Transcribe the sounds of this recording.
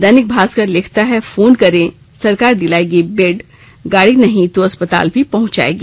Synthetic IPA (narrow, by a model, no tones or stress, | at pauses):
d̪ɐnɪk̚bʱaːskəɾlɪkʰt̪aɦɛfoːnkɐɾẽ | sɐɾkaːɾd̪ɪlaːeɡibeːɖ | ɡaːɽinɐɦĩt̪oɐspət̪a̰ːlbʱipɐɦʊ̃t͡ʃa̰ːḛːɡiː